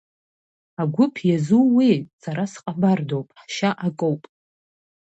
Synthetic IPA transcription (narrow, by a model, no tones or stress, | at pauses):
aɡʷʊpʰjazuwisaɾasqʼabardowpʼħʃaʔakʼowpʼ